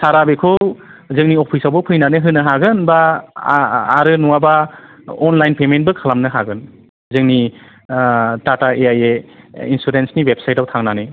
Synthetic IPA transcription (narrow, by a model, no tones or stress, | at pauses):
saɾabekʰowzɯŋniɔpʰisawbɯwpʰɯjnanɯɦɯnɯɦaɡɯnba | ɾɯnuwaba | ɔnlajnpement̚bɯkʰalamnɯɦaɡɯn | zɯŋni | dataeajeinsuɾensniwep̚sajtawtʰaŋnanɯ